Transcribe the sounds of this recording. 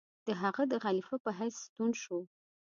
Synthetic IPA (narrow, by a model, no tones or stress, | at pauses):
d̪̥əɦaɣad̪əɣɑlɪfaəpəɦajsst̪unʃu